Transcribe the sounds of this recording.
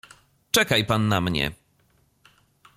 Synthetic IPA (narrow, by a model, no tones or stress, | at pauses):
t͡ʂɛkajpanːamɲɛ̰